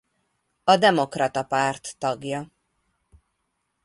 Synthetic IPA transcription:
ɒd̪ɛmo̞krɒt̪ɒpart̪ːɒɡjɒ

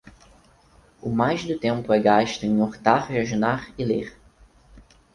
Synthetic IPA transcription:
ʊmajzd̪ʊt̪ẽmpʊɛɡaʃt̪ʊẽŋoɾt̪aɾd͡ʒaʒunaɾɪleχ

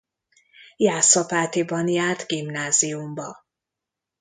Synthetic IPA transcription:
jaːsɒpaːt̪ibɒnjaːrt̪ɡimnaːziumbɒ

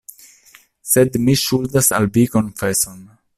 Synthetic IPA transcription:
sedmiʃuldasa̰lbiko̞nfeso̞n

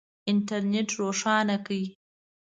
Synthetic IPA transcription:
ɪnʈʰɐɾneʈʰroːʂɑːnakəj

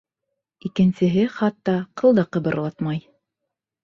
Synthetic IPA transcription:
ikɘ̆nsɘ̆ɦɘχɑt̪ːɑqɤ̆lˠd̪ɑqɤ̆βɤ̆ɾlˠɑt̪mɑj

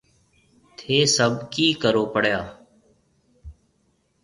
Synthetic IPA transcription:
t̪ʰeːsəbkiːkəɾoːpəɽ̤jaː

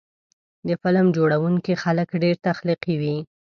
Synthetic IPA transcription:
d̪əfɪləmd͡ʒoɽawuŋkixaləkɖeɾt̪axliqiwi

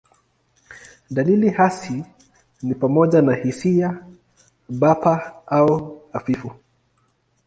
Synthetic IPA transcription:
ɗalilihasi | nipamɔʄanahisia | ɓapaauafifu

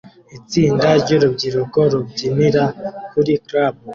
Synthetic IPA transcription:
it͡siːndaɾɟoɾubɟiɾokoɾubɟiniɾakuɾikɾabu

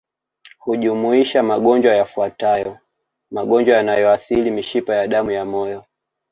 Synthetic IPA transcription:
huʄumuiʃamaɠɔnd͡ʒwajafuatajɔ | maɠɔnd͡ʒwajanajɔaθilimiʃipajaɗamujamɔjɔ

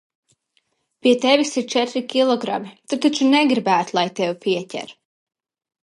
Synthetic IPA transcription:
pʲiɛt̪ɛvisiɾt͡ʃɛt̪ɾikʲilˠɔɡɾa̰mit̪ut̪ːat͡ʃunɛɡɾibæːt̪lˠajt̪ɛwpʲiɛcʲɛ̰ɾ

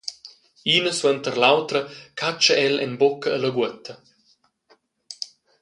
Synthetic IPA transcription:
iːnəswənt̪əɾlawt̪ɾəkʰat͡ʃəʔɛlɛ̰nbokəːləɡwət̪ə

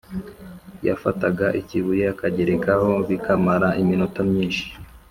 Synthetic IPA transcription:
ja̰fataɡaʔiciβujeakaɟe̞ɾekaho̞βikamaɾaʔiminotamɲiːnʃi̥

